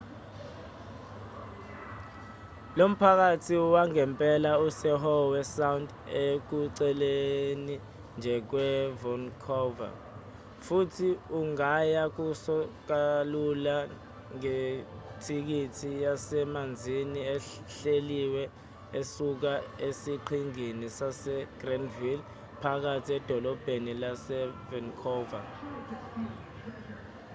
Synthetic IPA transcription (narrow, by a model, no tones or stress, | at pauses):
lom̩pʰak̬atʰiwaŋɛmpʼɛlausɛɦɔwɛsawnd | ek̬uǀɛleni | nd͡ʒʱɛk̬wɛvɔnkʰɔva̰ | futʰiuŋajak̬usɔk̬alula | ŋetʰik̬itʰijasɛmand͡zʱiniɛ | ɬeliwɛ | esuk̬aesiǃʰiŋinisasɛɡ̥rɛnvil | pʰak̬atʰiɛd̥ʱɔlɔb̥ʱenilasɛvɛnkʰɔva̰